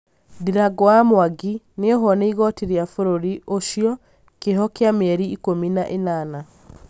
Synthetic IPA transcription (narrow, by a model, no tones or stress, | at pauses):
diɾaɡɔamwaɡi | neɔɦɔneiɣɔtiɾeafoɾoɾiʔoʃiɔ | keɦɔkeamɛɾiːkominaʔenana